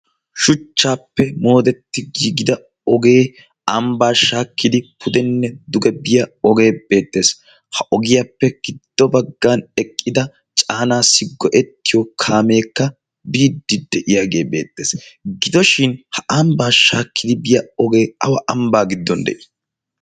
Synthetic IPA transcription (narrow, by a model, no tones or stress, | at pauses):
ʃʊt͡ʃːaːpːɛmo̞ːd̪ɛt̪ːɪɡiːɡɪd̪ɐ | ɔɡe̞ː | ɐmbaːʃaːkːɪd̪ɪpʰʊd̪ɛnːɛd̪ʊɡɛbɪjɐɔɡe̞ːb̥e̞ːt̪ːe̞ːs | hɐʔɔɡɪjapːɛɡ̥ɪd̪̥ːɔbɐɡːanɛkʼːɪd̪ɐ | t͡ʃʼaːnaːsɪɡːɔʔɛt̪ːɪjɔkʰaːme̞ːkːɐ | biːd̪ːɪd̪ɛʔɪjaɡe̞ːbe̞ːt̪ːe̞ːsɡɪd̪ɔʃɪnhɐʔɐmbaːʃaːkʰːɪd̪ɪbɪjɐɔɡe̞ːɐwɐʔɐmbaːɡɪd̪ːɔnd̪ɛ̰ʔɪ̥